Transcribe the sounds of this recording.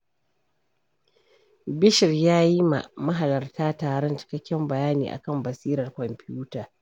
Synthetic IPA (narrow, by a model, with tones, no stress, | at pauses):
bɪ˦ʃɪ˨rjaː˦ji˦ma̰˨mɐ˦ɦa˨lɐ˨rtʰaː˦taː˨ɽɛ˦nt͡ʃɪ̥˦kɐ˦kʲːɛ˦mbɐ˨jaː˦nḭː˨ʔa̰˨kɐ˦˨mbɐ˨siː˦ɾɐ˨rkʷɔ˨mpɪ˦juː˦taː˨